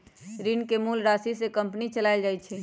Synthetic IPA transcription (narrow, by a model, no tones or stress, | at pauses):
ɾinkemulɾasisekəmpnit͡ʃəlaɪld͡ʒajt͡ʃʰɛ